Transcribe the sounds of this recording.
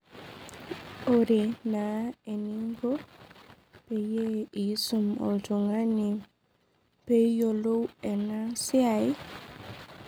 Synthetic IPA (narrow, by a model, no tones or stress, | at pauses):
oɾenaeniŋɡo | pɛjeisumɔ̰tuŋani | pejolowɛnasiaj